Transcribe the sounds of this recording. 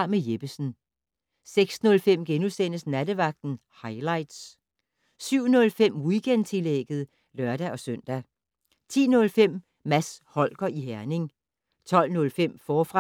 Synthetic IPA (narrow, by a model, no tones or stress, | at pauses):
mejeb̥əsn̩ | seɡ̥snɔ̽lfem̰ɡ̥enusen̰əsnæd̥əʋɑ̈ɡ̥̚d̥n̩ | hɑ̈ɪlɑ̈ɪ̰d̥s | syʊ̰nɔ̽lfem̰wiɡ̥ent͡sʰe̝leɡ̥ð̩ˠ | lœɐɾ̥æʔɒ̽sœn̰d̥æ | t͡sʰḭːnɔ̽lfem̰ | mæshɒ̽l̰ɡ̥ɐʔiɦæɐne̝ŋ | t͡sʰɒ̽l̰nɔ̽lfem̰fɒːfʁɑ